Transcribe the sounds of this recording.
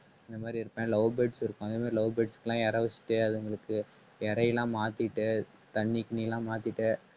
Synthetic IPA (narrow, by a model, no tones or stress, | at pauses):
ɪnd̪ɐmaːd̪ɾiɪɾɯpːẽːlɐʊbeʈsɪɾɯkːʊ̃ɪnd̪ɐmaːd̪ɾilɐʊbeːʈskːɐlãːɛɾɐʋɐt͡ʃːɪ̥ʈːɯɐðʊŋɡɐɭɯkːɯ | ɛɾɐɪjɐlãːmaːt̪ɪʈːɯ | t̪ɐɳːikːɐniːlãːmaːt̪ɪʈːɯ